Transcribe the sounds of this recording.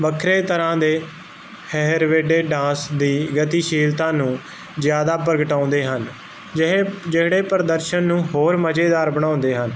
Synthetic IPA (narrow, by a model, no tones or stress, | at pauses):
ʋəkʰɾeːt̪əɾãːd̪eː | hɛɦɾʋeːɖeːɖãːsd̪iːɡət̪iːʃiːlt̪ãːnũː | zjaːd̪aːp̬əɾɡəʈãːʊ̃nd̪eːɦən | d͡ʒɪɦed͡ʒeɽeːpəɾəd̪əɾʃənːũːɦoːɾməd͡ʒeːd̪aːɾbəɽ̃ãːʊnd̪eːɦən